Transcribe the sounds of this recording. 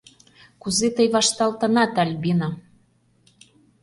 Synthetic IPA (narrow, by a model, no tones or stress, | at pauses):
kuzet̪əjβɑʃt̪ɑlt̪ɤ̆nɑt̪ɑlʲbinɑ